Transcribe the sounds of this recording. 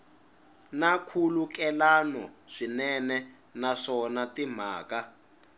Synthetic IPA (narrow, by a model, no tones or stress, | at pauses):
nakʰulukɛlanɔʂinɛnɛ | naʂɔnatim̤a̰ːka